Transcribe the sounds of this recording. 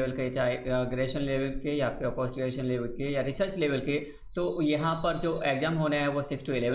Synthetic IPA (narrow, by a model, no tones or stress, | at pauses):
ʋəlket͡ʃaːeɡɾeːʃənleːʋəlkejapeɐpɔːsʈɪɡeːʃənleːʋəlkejaɾɪsəɾt͡ʃleːʋəlke | t̪oːjɐɦãpɐɾd͡ʒoːʔeɡzãːmɦoːnaɦɛʋosɪksʈuɪlɛːʋə